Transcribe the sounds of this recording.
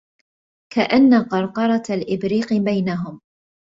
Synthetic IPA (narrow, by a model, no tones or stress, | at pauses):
kaʔanːaqɑɾˤqɑɾˤɑlʔɪbɾiːqbajnaɦʊm